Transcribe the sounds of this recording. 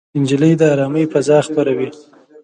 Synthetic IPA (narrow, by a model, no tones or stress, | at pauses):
ɪnd͡ʒiləjd̪əaɾɑməjfazɑxpaɾawi